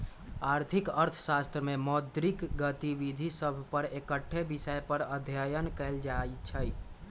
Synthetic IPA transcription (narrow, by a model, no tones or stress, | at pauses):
aɾt̪ʰikəɾt̪ʰsast̪ɾəmemɔd̪ɾikɡət̪ibid̪ʱisəbʱpəɾekəʈʰːebisəjpəɾəd̪ʱjəjənkɛld͡ʒajt͡ʃʰəj